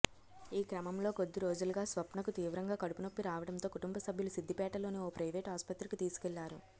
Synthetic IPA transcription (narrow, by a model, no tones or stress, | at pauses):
iːkɾɐmɐmlo̞ːko̞d̪ːiɾo̞ːd͡ʒuluɡaːsʋɐpɳɐkut̪iːʋɾɐŋɡaːkɐɽupunopːiɾaːʋɐɽɐnt̪o̞ːkuʈumbɐsɐbʱjɐlusid̪ʱːipɛːʈɐlo̞ːnioːpɾɐjʋeːʈaːspɐt̪ɾikit̪iːsu̥kɛlːaːɾu